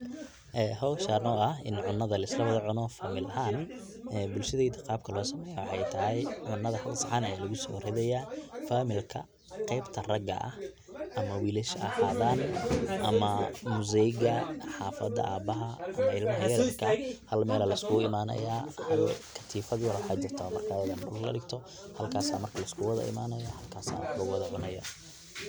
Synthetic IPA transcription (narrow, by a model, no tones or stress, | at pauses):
ʔɛːɦɔwʃaːrnɔːɐhɪnʕʊnːɐðɐlɐɪslɐβɐðɐʕʊnɔːfaːmɪlɐɦaːn | ɛːbʊlʃɐðiːd̪ʰɐqɑːb̚kʰɐlɔːsɐmɛːjawħɛjt̪ʰɐɦɛjʕʊnːɐðɐħɐɡsɐʕanɐɛjlɐɣʊsɔ̰ːhrhɛðɛjaːfaːmɪlkʰɐ̰ | qɛjbt̪ʰɐrɐɡɐ̰ʔɐ̰h | ʔɐmɐwiːlɪʃɐ̰ħaːðaːnʔɐmɐmʊzɛɣɐħaːfɐ̰d̪ɐ̰ʔaːbɐɦɐʔɐmɐɪlmɐɦɐjɛɾrkʰɐhɐlmɛːlɐlɐɪskʰʊɪmaːnɐ̰jaːhɐlkʰɐ̥t̪ʰiːfɐðjɔɾwɑħaːd͡ʒɪrt̪ʰɐmɐrkʰaːɐðɐdʊlklɐ̰ɽɪɡt̪ʰɔ | hɐlkʰaːsaːmɐrkʰɐlɐɪskʰʊwɐðɐ̰ʔɪ̰maːnɐjɔhɐlkʰaːsa̰ːwħlɐɣwɐðɐʕʊnɐjɐ̰